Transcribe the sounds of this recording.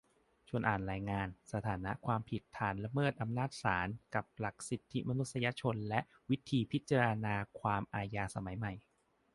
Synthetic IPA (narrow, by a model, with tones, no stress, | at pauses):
t͡ɕʰu˧ənʔaː˨˩nɾaː˧jŋaː˧nsa˧t̪ʰaː˩˦na˦˥ʔkʰwaː˧mpʰi˨˩t̪ʰːaː˩˦nɾa˧mɤː˥˩t̪̚ʔa˧mnaː˥˩t̪̚saː˩˦nka˨˩p̚la˨˩k̚si˨˩t̪ʰːi˦˥ma˧nu˦˥t̪̚sa˧ja˧˥t͡ɕʰo˧nlɛ˦˥ʔ | wi˦˥t̪ʰiː˧pʰi˦˥t̪̚t͡ɕa˧ɾa˧naː˧kʰwaː˧mʔaː˧jaː˧sa˧ma˨˩˦jma˨˩j